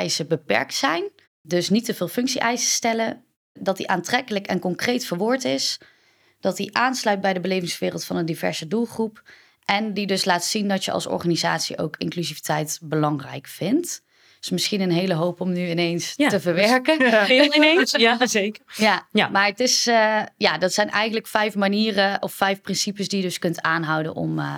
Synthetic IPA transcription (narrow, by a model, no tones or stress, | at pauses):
ɛjsəbəpɛ̰ɹk̚tsɛjn | dɵsnitəvɪːlˠfɵŋksiʔɛjsəstɛlə | dɑtdiʔaːntrɛkələkɛ̰nkɔŋkrejtfəɹʋʊːɹtɪs | d̥ɑtiʔaːnslœɥt̚bɛjdəbəlejvɪŋsʋɪːrəlˠtfɑnəndivɛ̰ɹz̥ədulˠχrup | ʔɛndidɵslaːtsindɑtjəʔɑ̰lˠsɔ̰ɹχaːniza̰ːtsḭʔo̰wkɪ̰ŋklyzivitɛjtbəlɑŋrɛ̰jkfɪnt | smɪsχinənɦejləɦowpɔmnyɪnejnstəvəɹʋɛɹkəɪesekəjamaːɹətɪsjaːdɑtsɛjnʔɛ̰jχəndələkfɛjfmaniːrəʔɔfːɛjfprɪnsipəsdijədɵskɵntaːnɦʌwdə̰nʔɔ̰m